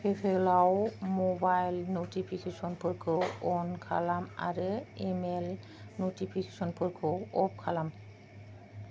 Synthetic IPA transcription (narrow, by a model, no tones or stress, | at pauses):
pʰepʰelawmobajlnotipʰikʰesɔnpʰɯɹkʰɯɔnkʰa̰lama̰ɹɯɛmɛl | notipʰikesɔnpʰɯɹkʰɔɔp̚kʰalam